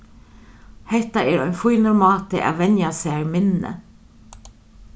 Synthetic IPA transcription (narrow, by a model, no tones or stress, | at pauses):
hɛht̪aɛːɾœ̰ʏjnfʊjnɔɾmɑːt̪əʔa̰ːʋɛnjasɛɡmɪnːə̰